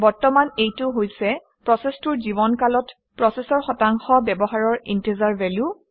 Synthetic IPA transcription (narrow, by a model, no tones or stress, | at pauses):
bɔɹtɔmanejtʊɦojsɛ | pɹɔsɛstʊɹzibɔnkalɔt | pɹɔsɛsɔɹxɔtaŋxɔbɛbɔɦaɹɔɹḭntezaɹvɛlju